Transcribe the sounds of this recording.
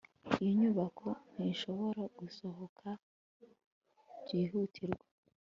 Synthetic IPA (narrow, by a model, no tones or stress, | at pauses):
ijiɲuβakʰo̞n̥hinʃo̞βo̞ɾaɡ̥uso̞ɦokʰa | jiːɦutʰiɾɡwa